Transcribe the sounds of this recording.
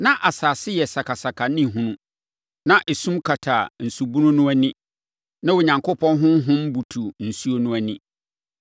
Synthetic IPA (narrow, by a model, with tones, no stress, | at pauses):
nã˦ʔa˨saː˨sɪ˦jɛ˨sa˨kʰa˨sa˨kʰa˨nĩ˦ɦʊ̃˦nũ˦ | nã˦ʔe˨sũ˦mkʰa˨tʰa˨n̩˨su˨bu˦nʊ̃˦nũ˦æ˦nĩ˦ | nã˦wo˨ɲã˨ŋkʰo˦pʰɔ̃˦nɦʊ̃˦m˦ɦʊ̃˦mbu˨tʰu˨n̩˨su˦o˦nũ˦æ˨nɪ̃˦